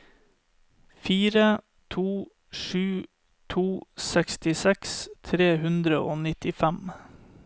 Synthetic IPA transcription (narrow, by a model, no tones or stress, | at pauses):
fiːɾə | t̪ʰuː | ʃʉː | t̪ʰuːsɛkst̪ɪsɛkst̪ʰɾeːhʉnd̪ɾəʔoːnɪt̪ɪfæm